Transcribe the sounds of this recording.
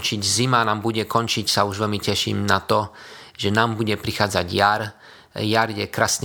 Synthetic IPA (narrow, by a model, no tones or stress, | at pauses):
t͡ʃiɟzimanaːmbuɟɛkɔnt͡ʃicsauʒʋɛlmicɛʃḭːmnat̪ɔ | ʒɛnaːmbuɟɛpɾixaːd͡zaɟjaɾ | jaɾjɛkɾaːsɲ